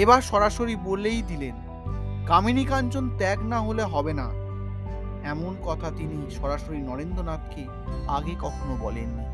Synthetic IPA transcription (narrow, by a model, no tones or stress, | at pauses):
ebaɾʃɔɾaʃoɾibolejd̪ilen | kaminikand͡ʑont̪ɛknaɦoleɦɔbena | ɛmonkɔt̪ʰat̪iniʃɔɾaʃoɾinɔɾend̪onat̪̚ke | aɡekɔkʰonobɔlḛnːi